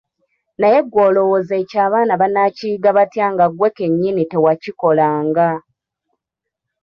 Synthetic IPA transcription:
naje̞ɡwoːlo̞woze̞caːβaːnaβanaciːɡaβatjaːŋɡaɡwe̞ke̞ɲːinite̞waciko̞laːŋɡa

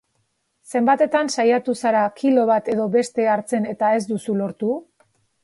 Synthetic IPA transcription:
se̞mbat̪e̞t̪ansajat̪usaɾakilo̞β̞at̪e̞ðo̞βe̞st̪e̞aɾt͡se̞ne̞t̪ae̞zd̪usulo̞ɾt̪u

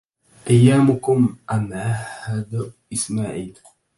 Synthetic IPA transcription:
ʔajːaːmʊkʊmʔamʕahad̪ʔɪsmaːʕiːl

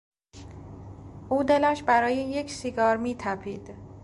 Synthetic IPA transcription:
ʔuːd̪e̞læʃbæɾɒːjejecʰsiɡɒːɾmiːt̪ʰæpʰiːd̪̥

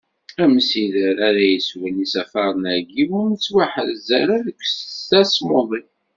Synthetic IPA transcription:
æməsiðəɾaɾæjəswænisæfɑɾˤənæɾɡiwʊɾnət͡sːwaħəðzæɾæðəkʷːsæsmoðˤi

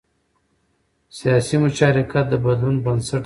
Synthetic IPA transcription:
sijɑsimʊt͡ʃɑɾikat̪̚d̪əbɐd̪lunbənsaʈ

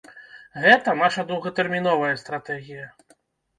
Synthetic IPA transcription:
ɣɛt̪ɐnaʂɐd̪uwɣɐt̪ɛrmʲinɔvɐjɐst̪ɾat̪ɛɣʲijɐ

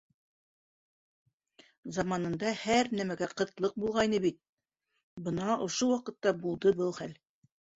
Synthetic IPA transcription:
zɑmɑnɤ̆nd̪ɑhæɾnæmæɡæqɤ̆t̪lˠɤq̚bulˠʁɑjnɤbit̪̚ | bɤ̆nɑʔŏʃowɑqɤ̆t̪ːɑbulˠd̪ɤbɤlˠχæl

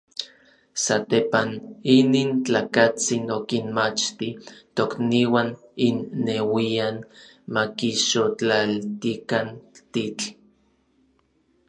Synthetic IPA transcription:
sat̪epaniniːnt͡ɬaːkat͡sinokinmat͡ʃt̪it̪okniwaninːewian | makiʃot͡ɬalt̪ikant̪it͡ɬ

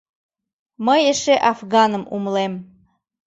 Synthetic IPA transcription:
məjeʃeʔɑfɣɑnəmṵmlem

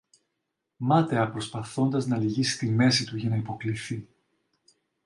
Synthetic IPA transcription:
mɐt̪e̞ɐpɾo̞spɐθo̞nd̪ɐznɐliʝisi̥t̪ime̞sit̪uʝɐnɐipo̞kliθi

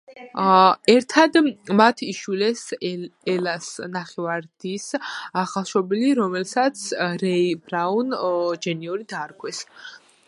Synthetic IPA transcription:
ɛɾt̪ʰad̪mat̪ʰiʃwilɛsɛlasnaχɛvaɾd̪̥isaχalˠʃɔbiliɾɔmɛlsat̪sʰɾɛibɾaund͡ʒɛniɔɾid̪aɾɡʰwɛs

